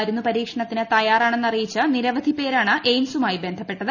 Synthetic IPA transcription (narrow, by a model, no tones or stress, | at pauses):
ɐɾunːupɐɾiːkʂɐɳɐt̪ːinɨt̪ɐjaːraːɳe̞nːɐrijit͡ɕːɐniɾɐʋɐd̪ʱipe̞ːɾaːɳɨʔejmsumaːjibe̞nd̪ʱɐpːe̞ʈːɐðɨ